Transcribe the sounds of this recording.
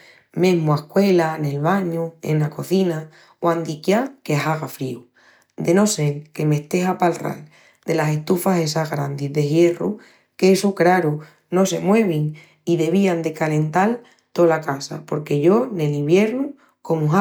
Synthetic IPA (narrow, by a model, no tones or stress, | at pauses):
mẽɦmoahkwe̞lane̞lβaɲuḛnːako̞θina | wand̪ikjakeaɦaɣafɾiu | d̪e̞no̞se̞lke̞me̞ht̪e̞ɦapalra̰l | d̪e̞lase̞ht̪ufase̞saɣɾand̪iðeɣje̞rṵ | keesukɾaɾu | no̞se̞̰mwe̞βiŋ | iðe̞β̞iand̪e̞kalẽ̞nt̪al | t̪o̞lakasa̰po̞ɾke̞ʝo̞ne̞liβje̞ɾnu | ko̞muɦa